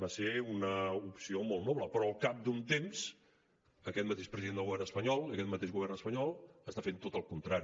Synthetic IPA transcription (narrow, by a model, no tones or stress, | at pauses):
baseunəupsiomolˠt̪nɔβləpɾɔəlˠkap̚d̪unt̪emz̥ | əkɛt̪̚mət̪eʃpɾəziðend̪əlɣuβɛrnəspəɲɔlˠəkɛt̪mət̪eʒɣuβɛrnəspəɲɔlˠəst̪afent̪ot̪əlˠkunt̪ɾaɾi